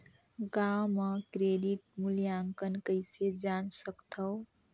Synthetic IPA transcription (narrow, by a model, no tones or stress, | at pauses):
ɡawmʌkɾeɖiʈmuljaŋkʌnkəjsed͡zansʌkt̪ʰʌw